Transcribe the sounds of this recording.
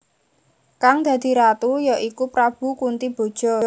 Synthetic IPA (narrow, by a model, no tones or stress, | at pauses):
kaŋd̪̥ä̤d̪̥i̤ɾat̪ujɔʔikupɾab̥ṳkunt̪ib̥o̤d̥ʒ̥ɔ̤